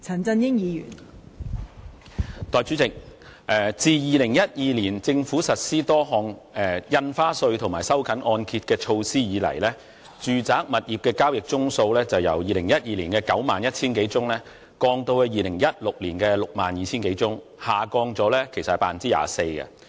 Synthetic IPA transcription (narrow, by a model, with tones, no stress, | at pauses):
t͡sʰɐ˨˩nt͡sɐ˧njɪ˥ŋjiː˨˧jy̰ː˨˩n | t̪ɔː˨jt͡ʃy˨˥t͡sɪ˨k̚ʔɛː˨˩t͡siː˨jiː˨lɪ˨˩ŋjɐ˥t̚jiː˨˧liː˨˩nt͡sɪ˧ŋfuː˨˥sɐ˨t̚siː˥t̪ɔː˥ɦɔː˧ŋɛ˨jɐ˧nfaː˥sɵ˧ɥt̪ʰʊ˨˩maː˨˩jsɐ˥wkʰɐ˨˥nʔɔː˧nkʰiː˧t̚kɛː˧t͡ʃʰo˧wsiː˥jiː˨˧lɐ̰˨˩jlɛː˥ | t͡ʃyː˨t͡saː˨˥k̚mɐ˨t̚jiː˨p̚kɛː˧kaː˥wjɪ˨k̚t͡sʊ˥ŋso˧wlɛː˥t͡sɐ˨˩wjɐ̰˨˩wjiː˨lɪ˨˩ŋjɐ˥t̚jiː˨˧liː˨˩nkɛː˧kɐ˨˥wmaː˨njɐ˥t̚t͡sʰiː˥nke˨˧˥jt͡sʊ˥ŋlɛː˥ | kɔː˧ŋt̪o˧wɛ˧jiː˨lɪ˨˩ŋjɐ˥t̚lʊ˨k̚liː˨˩nkɛː˧lʊ˨k̚maː˨njiː˨˧t͡sʰiː˥nke˨˧˥jt͡sʊ˥ŋhaː˨kɔː˧ŋt͡sɔː˨˥lɛː˥kʰe˨˩sɐ˨hjpa̰ː˨˩nt͡siː˥ja̰ː˨se˧jkɐ̰˧